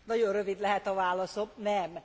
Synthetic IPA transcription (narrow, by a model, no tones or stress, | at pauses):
nɒɟo̞rrøvid̪lɛɦɛt̪ɒvaːlɒsomnɛm